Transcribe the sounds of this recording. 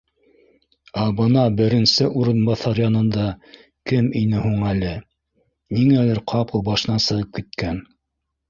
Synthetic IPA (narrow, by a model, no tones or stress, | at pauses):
ɑbɤ̆nɑbɘ̆ɾɘ̆nsɘʔuɾɤ̆nbɑθɑɾjɑnɤ̆nd̪ɑ | kɘminɘɦuɴælɘ | niŋælæɾqʰɑpɤlˠbɑʃɤ̆nɑsɤ̆ʁɤp̚kit̪̚kæn